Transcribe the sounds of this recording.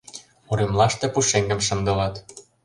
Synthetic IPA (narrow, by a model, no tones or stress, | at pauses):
oɾemlɑʃt̪ĕpuʃeŋɡə̆mʃə̆nd̪ɤ̆lɑt̪